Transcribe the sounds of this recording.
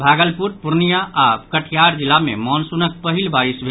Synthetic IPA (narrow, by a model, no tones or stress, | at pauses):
bʱaɡəlpuɾpuɾnijaʔakəʈʰjaɾd͡ʒilːamḛmɔnsunək̚pəɦilbaɾisbʱ